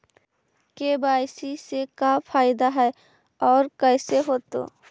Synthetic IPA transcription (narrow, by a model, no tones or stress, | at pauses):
kebaːjsisekapʰaːɪd̪aɦɛe | ɔːɾkəɪseɦoːt̪o̰